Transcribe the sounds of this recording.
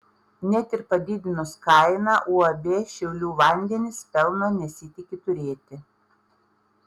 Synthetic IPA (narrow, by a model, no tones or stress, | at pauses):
nʲɛt̪ʲɪɾpɐd̪ʲid̪ʲɪnʊskɐˑɪnɑːʔuːɐbʲeːʃʲɛʊlʲuːʋɐˑnʲd̪ʲɛnʲɪspʲɛlˠnoːnʲɛsʲɪt̪ʲɪkʲɪt̪ʊɾʲeːt̪ʲɪ